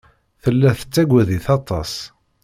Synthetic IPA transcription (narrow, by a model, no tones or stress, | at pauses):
θəlːæθə̥t͡sːæɡʷæðiθɑt̪ˤɑ̰s